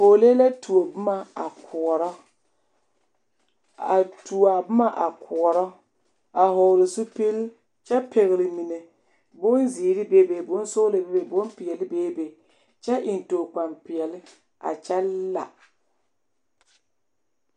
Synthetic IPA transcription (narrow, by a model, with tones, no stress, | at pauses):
ho˨le˦la˦tʰu˨o˨bʊ˦ma˨a˨kʰʊ˨ɔ˨ɾɔ˦ | a˨tu˨a˨bʊ˦ma˦ʔa˨kʰʊ˨ɔ˨ɾɔ˦ | a˨ɦɔ˨lɪ˨sʊ˦pi˦l | t͡ʃɛ˦pʰɪ˨ɣɪ˨lɪ˨mi˨ne˨ | bʊ˦nziː˨ɾɪ˦be˦be˨bʊ˦n˦sʊ˦lɪ˨be˦be˨bʊ˦npɪ˨ɛ˨lɪ˦beː˦be˨ | t͡ʃɛ˦ʔɪ˨ntoː˨k͡pa˨mpɪ˨ɛ˨lɪ˦ | a̰˨t͡ʃɛ˦lla̰˨